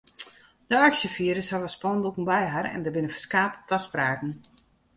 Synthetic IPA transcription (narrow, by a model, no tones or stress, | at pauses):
d̥əaksjəfiəɾəshaʋəspɔndokən̩bɛjɦarɛ̰ndəbɪnəfə̥skaːttaspraːkn̩